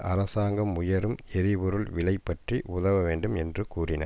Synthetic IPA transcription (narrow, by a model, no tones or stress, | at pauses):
ʔɐɾɐsaːŋɡɐmʊjɐɾɯmɛɾɪpɔɾɯɭʋɪɭɐɪpːɐʈriʔʊðɐʋɐʋeːɳɖɯmɛndrɯkuːrɪnɐ̰